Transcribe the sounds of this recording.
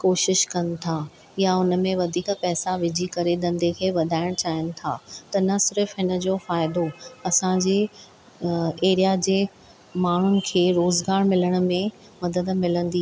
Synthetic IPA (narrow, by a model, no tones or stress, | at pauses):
koːʃɪʃkɐnɪ̆t̪ʰaː | jaʊnə̆mẽʋɐd̪ʱiːkpɛːsaʋɪd͡ʑʱikɐɾed̪ɐ̃nd̪ʱekʰeːʋɐd̪ʱaːɪɽ̃t͡ɕaːɪnɪ̆t̪ʰa̰ːt̪ɐnɐsɪɾəfɦɪnəd͡ʑoːfaːɪd̪oɐsãd͡ʑeː | eːɾijad͡ʑeː | maːɳ̤ʊnɪ̆kʰeːɾoːzɡaːɾmɪləɽ̃ʊmẽ | mɐd̪əd̪mɪlə̃nd̪i